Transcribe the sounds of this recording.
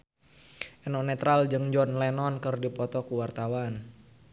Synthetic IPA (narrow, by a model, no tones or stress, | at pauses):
ʔɛnɔnɛt̪ɾald͡ʒɨŋd͡ʒɔnlɛnɔnkərdipɔt̪ɔkuwart̪awan